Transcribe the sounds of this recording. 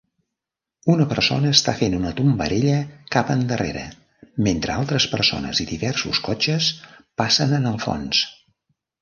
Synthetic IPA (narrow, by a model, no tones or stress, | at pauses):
unəpəɾso̰nəːst̪afenunət̪umbəɾeʎəkapənd̪ərʔḛɾə̰ | ment̪ɾəalˠt̪ɾəspəɾso̰nə̰ziðiβɛrsuskɔt͡ʃəspasənənəlˠfɔ̰ns